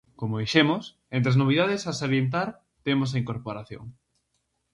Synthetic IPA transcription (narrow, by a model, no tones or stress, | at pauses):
komoβiʃemos | ent̪ɾeznoβ̞iðaðesasoɾjent̪̬aɾ | t̪emos̬aiŋkoɾpoɾaθjo̰ŋ